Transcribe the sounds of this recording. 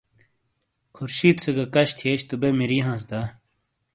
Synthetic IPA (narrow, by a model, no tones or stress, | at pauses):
kʰuɾɕiːt̪səɡɐkɐɕt̪ʰieɕt̪ubemiɾiːɦãːs̬d̪a